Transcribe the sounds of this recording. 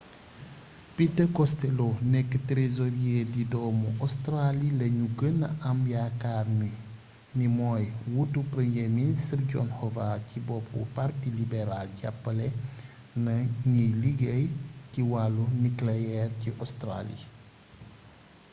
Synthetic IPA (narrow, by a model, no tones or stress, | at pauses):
pitɐkɔstɛlonɛkːətɾezɔɾiedidɔːmuʔɔstralilɐɲuɡənːɐ̰ʔɐmjakaːrmi | nimɔːjwutːupɾɛmjeministrɟɔ̰nhɔvacibɔpṵpartilibɛɾalɟa̰pːɐlɛ | nɐɲijliɡɛjciwalːuniklɛɛrciʔɔstra̰lḭ